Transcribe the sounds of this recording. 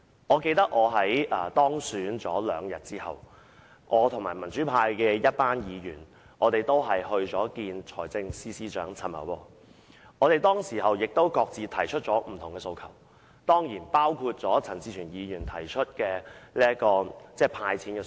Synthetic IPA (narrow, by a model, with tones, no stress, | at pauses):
ŋɔː˨˧ke˧jt̪ɐ˥k̚ʔɔː˨˧ɦɐ˨˥jʔɐː˨˩t̪ɔː˥ŋsyː˨˥nt͡sɔː˨˥lœː˨˧ŋjɐ˨t̚t͡siː˥hɐ̰˨w | ʔɔː˨˧t̪ʰʊ˨ŋmaː˨˩jmɐ˨˩nt͡ʃyː˨˥pʰaː˧jkɛː˧jɐ˥t̚paː˥njiː˨˧jyː˨˩n | ʔɔː˨˧t̪e˨jt̪o˥wɦɐ˨jhɵ˧ɥt͡sɔː˨˥kiː˧nt͡ʃʰɔː˨˩jt͡sɪ˧ŋsiː˥siː˥t͡ʃœː˨˥ŋt͡sʰɐ˨˩mɐ̰˨˩wwɔː˧ | ŋɔː˨˧ɾe˨jt̪ɔː˥ŋsiː˨˩ɦɐ˨wjɪ˨k̚t̪o˥wkɔː˧k̚t͡siː˨˧t̪ʰɐ˨˩jt͡ʃʰɵ˥t̚t͡ʃɔː˨˥m̩˨˩t̪ʰʊ˨˩ŋkɛː˧so˧wkʰɐ˨˩w | t̪ɔː˥ŋjiː˨˩npaː˥wkʰuː˧t̚t͡sɔː˨˥t͡sʰɐ˨˩nt͡siː˧t͡ʃʰyː˨˩njiː˨˧jyː˨˩nt̪ʰɐ˨˩jt͡ʃʰɵ˥t̚kɛː˧liː˥ɐ˥kɔː˧t͡sɛː˥˩pʰaː˧jt͡sʰiː˨˥nkɛ˧